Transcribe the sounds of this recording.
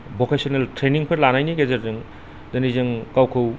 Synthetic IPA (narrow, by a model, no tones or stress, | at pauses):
bokesiɔneltɾeniŋpʰɐɾlanajniɡezɐɾzɯŋ | dɐnizɯŋkawkʰɯw